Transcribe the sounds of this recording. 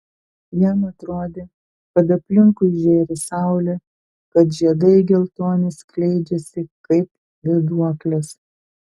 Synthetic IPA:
jɛmɐt̪ɾoːd̪ʲeː | kɐt̪ɐpʲlʲɪŋkʊsʒʲeːɾʲɪsɑˑʊlʲɛ | kɐt̪ʒʲiɛd̪ɐɪɡʲɛlˠt̪oːnʲɪsklʲɛɪd͡ʒʲɛsʲɪkɐɪp | ʋʲɛd̪uɔklʲɛs

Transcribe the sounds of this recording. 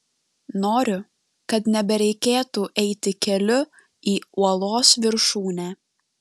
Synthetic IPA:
noːɾʲʊ | kɐt̪nʲɛbʲɛɾʲɛɪkʲeːt̪uːʔɛɪt̪ʲɪkʲɛlʲʊ | iːuɔlˠoːsʋʲɪɾʃuːnʲæː

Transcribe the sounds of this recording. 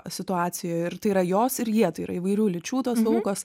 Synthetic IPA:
sʲɪt̪ʊɑːt͡ssʲɪjoːjɪɾt̪ɐɪiɾɐjoːsɪɾjiɛt̪ɐɪiːɾɐ̰ɪʋɐɪɾʲuːlʲɪt͡ʃʲuːt̪oːskʊkoːs

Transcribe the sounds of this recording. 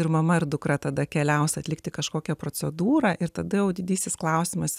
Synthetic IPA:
ɪɾmɐmɐɪɾd̪ʊkɾɐt̪ɐd̪ɐkʲɛlʲɛʊsɐt̪ʲlʲɪkt̪ʲɪkɐʃkoːkʲɛpɾoːt͡s̪ʲɛd̪uːɾɐːʔɪɾt̪ɐd̪ɐjɛʊd̪ʲɪd̪ʲiːsʲɪsklˠɐʊsʲɪmɐs

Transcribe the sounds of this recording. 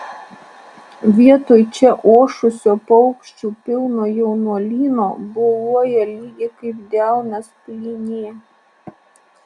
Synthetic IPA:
ʋʲiɛt̪oːjt͡ʃʲɛʔoːʃʊsʲoːpɔʊkʃʲt͡ʃʲuːpʲɪlˠnoːjɛʊnuɔlʲiːnoːboluɔjɛlʲiːɡʲɪkɐɪpd̪ʲæˑʊnɐspʲlʲiːnʲeː

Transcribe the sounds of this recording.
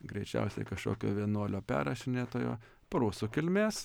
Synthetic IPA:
ɡɾʲɛɪt͡ʃʲɛ̰ʊsʲɛ̰ɪkɐʃko̰ːkʲo̰ːʋʲiɛnuɔlʲoːpʲæ̰ːɾɐʃʲɪnʲeːt̪oːjo̰ː | pɐɾuːsʊkʲɪlʲmʲeːs

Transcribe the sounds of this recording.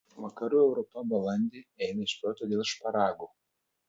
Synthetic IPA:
ʋɐkɐɾuːɛʊɾɔpɐbɐlˠɐnʲd̪ʲeːɛɪnɐɪʃʲpʲoːt̪oːd̪ʲeːlˠʃpɐɾɑːɡuː

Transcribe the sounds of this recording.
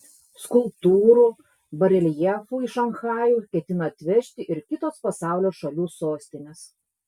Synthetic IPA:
skʊlˠpt̪uːɾuː | bɐɾʲɛlʲjɛfuːɪʃɐnxɑːjuːkʲɛt̪ʲɪnɐɐt̪ʲʋʲɛʃʲt̪ʲɪʔɪɾkʲɪt̪oːspɐsɑˑʊlʲoːʃɐlʲuːsoːsʲt̪ʲɪnʲeːs

